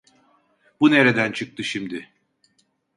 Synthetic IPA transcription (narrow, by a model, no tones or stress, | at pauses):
bune̞ɾe̞d̪ænt͡ʃʰɯk̚t̪ʰɯʃimd̪ɪ